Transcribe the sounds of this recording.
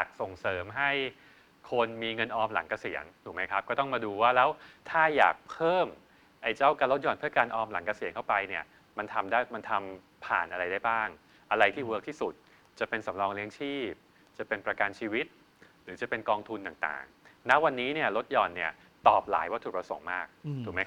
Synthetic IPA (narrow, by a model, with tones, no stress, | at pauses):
jaː˨˩k̚so˨˩ŋsɤː˩˦mɦa˥˩j | kʰo˧nmiː˧ŋɤ˧nʔɔː˧mla̰˩˦ŋka˧si˨˩˦əŋt̪ʰuː˨˩ma˦˥jkʰa˦˥p̚kɔː˥˩t̪ɔ˥˩ŋmaː˧duː˧waː˥˩lɛː˦˥wt̪ʰaː˥˩ja̰ː˨˩k̚pʰɤː˥˩m | ʔa˧jt͡ɕa˥˩wkaː˧lo˦˥t̪̚jɔː˨˩npʰɯ˥˩ɐkaː˧nʔɔː˧mla̰˩˦ŋka˧si˨˩˦ŋkʰa˥˩wpa˧jni˥˩ɐ | ma˧nt̪ʰa˧mdaː˥˩jma˧nt̪ʰa˧m | pʰa̰ː˨˩nʔa˧ɾa˧jda˥˩jbaː˥˩ŋ | ʔa˧ɾa˧jt̪ʰiː˥˩wə˦˥k̚t̪ʰiː˥˩su˨˩t̪̚ | t͡ɕa˨˩pe˧nsa˩˦mɾɔː˧ŋli˦˥əŋt͡ɕʰiː˥˩p̚ | t͡ɕa˨˩pe˧npɾa˧ka˧nt͡ɕʰiː˧wi˦˥t̪̚ | ɾɯː˩˦t͡ɕa˨˩pe˧nkɔː˧ŋt̪ʰu˧nt̪aː˨˩ŋt̪a̰ː˨˩ŋna˦˥ʔwa˧nːiː˦˥ni˥˩ɐlo˦˥t̪̚jɔː˨˩nːi˦˥˩ɐ | t̪ɔː˨˩p̚la̰ː˩˦jwaː˥˩t̪ʰuː˨˩p̚ɾa˧so̰˩˦ŋmaː˥˩k̪̚ʰuː˨˩ma˦